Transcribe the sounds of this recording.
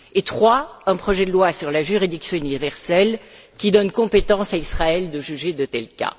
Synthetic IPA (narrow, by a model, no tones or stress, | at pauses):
et̪χwaɛ̃pχɔʒɛd̪əlwasyʁlaʒyʁid̪iksjɔ̃ynivɛʁsɛlkʲid̪ɔnkɔ̃pet̪ɑ̃saisχaɛld̪əʒyʒed̪ət̪ɛlka̰